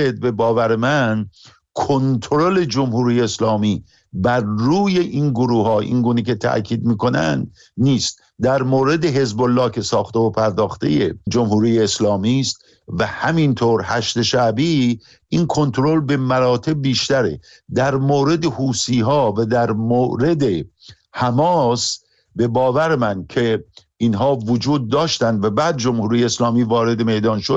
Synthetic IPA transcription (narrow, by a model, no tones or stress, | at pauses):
ed̪̚be̞bɒːvæɾemæn | kʰont̪ʰoɾole̞d͡ʒomhuːɾijeːslɒːmiː | bæɾːuːjeʔinɡoɾuːhɒːʔḭŋɡuːnecʰe̞t̪ʰæ̰ʔcʰiːd̪miːko̞næ̰nd̪ | niːst̪̚ | d̪æɾmoːɾe̞d̪eɦe̞zbolːɒːcʰe̞sɒːxt̪eopʰæɾd̪ɒːxt̪e̞̰jed͡ʒomhuːɾiːjeːslɒːmiːst̪̚ | væhæmint̪ʰoːɾhæʃt̪e̞ʃæbiː | ʔinkʰo̞nt̪ɾolbe̞mæɾɒːt̪ʰe̞b̚biːʃt̪æɾḛ | d̪æɾmoːɾe̞d̪ehuːsiːɦɒːvæd̪æɾmoːɾe̞d̪e̞ | hæmɒːs | be̞bɒːvæɾemænkʰe̞ | ʔiːnɦɒːvod͡ʒuːd̪̚ːɒːʃt̪ænd̪væbæːd̪̚d͡ʒomhuːɾijeːslɒːmiːvɒːɾe̞d̪e̞me̞d̪ɒːnʃod̪̥